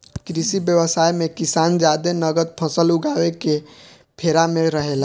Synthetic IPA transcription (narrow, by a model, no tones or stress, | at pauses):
kɾisibjəʋəsajmekisand͡ʒad̪enəɡəd̪̚pʰəsəlʊɡaweke | pʰeɾameɾəɦela